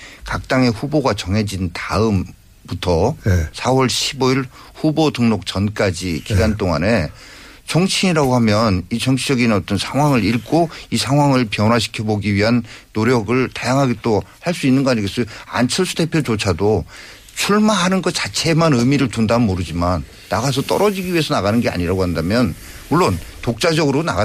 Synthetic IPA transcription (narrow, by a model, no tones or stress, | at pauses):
kak̚t͈aŋe̞ɸuboɡat͡ɕʌŋɦe̞d͡ʑintaɯm | putʰʌsʰawʌɭɕʰiboiɭ | hubodɯŋnok̚t͡ɕʌnk͈ad͡ʑikiɡant͈oŋa̰ne̞ | t͡ɕʌŋt͡ɕʰiɲiɾaɡoɦamjʌnit͡ɕʌŋt͡ɕʰid͡ʑʌɡinʌt͈ʌnsʰaŋwaŋɯɾiɭk͈oisʰaŋɦwaŋɯɭpjʌnwaɕʰi̥kʰjʌboɡiɥiɦanːoɾjʌɡɯɭtajaŋɦaɡet͈ohaɭs͈uinːɯnɡʌaɲiɡes͈ʌa̰nt͡ɕʰɯɭs͈ude̞pʰjot͡ɕot͡ɕʰado | t͡ɕʰuɭmaɦanɯnɡʌt͡ɕat͡ɕʰe̞manɯmiɾɯɭtundamoɾɯd͡ʑimanːaɡas̬ʰʌt͈ʌ̰ɾʌd͡ʑiɡiɥie̞sʰʌnaɣanɯnɡea̰ɲiɾaɡohandamjʌn | muɭːontok̚t͡ɕ͈ad͡ʑʌɡɯɾonaɡa